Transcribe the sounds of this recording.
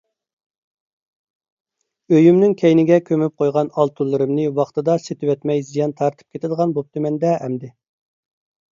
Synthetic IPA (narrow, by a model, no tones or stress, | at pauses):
øjymnɪŋkʲʰɛjnɪɡʲɛkʲʰømyp̚qʰojʁɑnɑlˠt̪ʰulˠːɨɾɨmnɨwɑχt̪ɨd̪ɑset̪ɪwɛt̪mɛjzijɑnt̪ʰɑɾt̪ʰɨ̥p̚kʲet̪ɪd̪əʁɑnbop̚t̪ɨmɛnd̪ɛɛmd̪ɪ